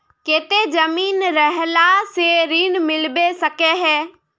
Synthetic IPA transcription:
keːt̪ezɐmiːnɾɐɦlaseɾiːnmɪlbesɐkeɦɛː

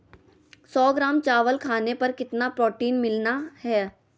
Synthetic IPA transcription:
sɔːɡɾaːmt͡ʃaːʋəlkʰaːnepɐɾkɪt̪napɾɔːʈiːnmɪlnahɛː

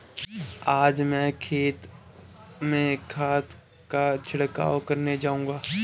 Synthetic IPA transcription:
aːd͡ʒmɛ̃kʰeːt̪ | mẽkʰaːt̪ | kat͡ʃʰɐɽka̰ːwkɐɾned͡ʒaːũ̆ːɡaː

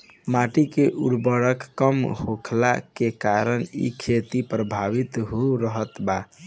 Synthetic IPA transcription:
maʈikeʔuɽbəɾəkːəmhokʰla̰kekaɾənḭkʰet̪ipɾəbʱaʋit̪ɦoɾəɦət̪ba

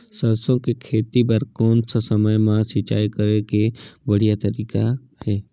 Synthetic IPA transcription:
səɾsõkekʰeːt̪ibəɾkɔːnssəməjmãsɪt͡ʃa̰ːikəɾekebəɽ̤ijat̪əɾiːka | hɛː

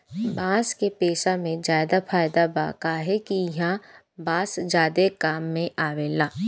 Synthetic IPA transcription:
baːskepeːʃamẽzaːɪd̪afʰaːjd̪aba̰ːkaːɦɛkijɦã | baːsd͡ʒaːd̪ekaːmːẽʔaːʋeːlaː

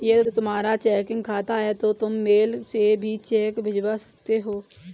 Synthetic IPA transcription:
jet̪ʊmaːɾat͡ʃɛːkɪ̃ŋɡkʰaːt̪aɦɛt̪ot̪ʊmːeːlsebʱit͡ʃɛːkbʱɪd͡ʒwasə̥k̚t̪eɦoː

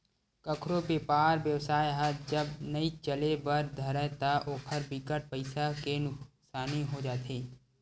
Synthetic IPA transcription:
kɐkʰɾopepaːɾbjəʋsaːjɦəd͡ʒəbnəit͡ʃəlebɐɾd̪ʱɐɾət̪aʔoːkʰəɾbɪkəʈ̚pəɪsakenʊk | saːniɦod͡ʒaːt̪eː

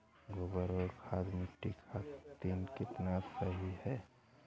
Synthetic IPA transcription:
ɡobəɾoɾkʰaːd̪muʈːikʰat̪ːiːnkɪt̪nasəɦihɛː

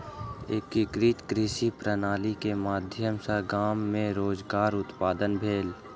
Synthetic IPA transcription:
ekikɾiːt̪kɾiʃipɾənaːlikemaːd̪ʱjəmsəɡaːmːẽɾoːzɡaːɾʊt̪paːd̪ənbʱeːl

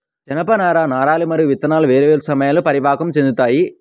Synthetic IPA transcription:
d͡ʒɐnɐpɐnaːɾaːnaːɾaːlimɐɾɯʋit̪ːɐnaːlɐʋeːɾɐʋeːɾusɐmɐjaːlupɐɾibʱaːkɐmt͡ʃend̪ut̪aːji

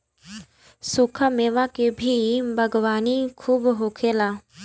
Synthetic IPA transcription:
sʊkʰameːʋakebʱibʱɐɡwaːnikʰuːbɦoːkʰeːlaː

